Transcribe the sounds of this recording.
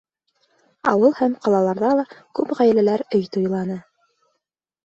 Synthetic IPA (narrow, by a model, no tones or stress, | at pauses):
ɑ̰wɤlˠhæmqɑlˠɑlˠɑɾðɑlˠɑkʉpʁæj̆lælæɾɵjt̪ujlˠɑnɤ